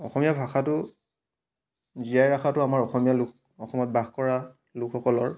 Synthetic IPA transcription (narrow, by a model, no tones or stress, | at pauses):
ɔxɔmijabʱaxatʊ | zijajɹaxʰatʊamaɹɔxɔmijalʊk̚ | ɔxɔmɔt̚baxkɔɹa | lʊkʰxɔkɔlɔɹ